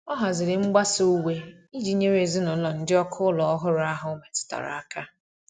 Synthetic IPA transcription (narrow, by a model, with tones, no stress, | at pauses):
ɔ˦ɦa˨zɪ˨ɾɪ˨ŋ͡m̩˦ɡ͡ba˦so˦u˦we˦ | i˦d͡ʒi˨˦ɲe˦ɾe˨zɪ˦nʊ˨˦lɔ˨n̩˦dɪ˦ɔ˦kʰʊ˦lɔ˨ɔ˦ɦʊ˦ɾʊ˨˦a˦ɦʊ˨˦me˨tʊ̥˨ta̰˨ɾa̰˨a˦ka˦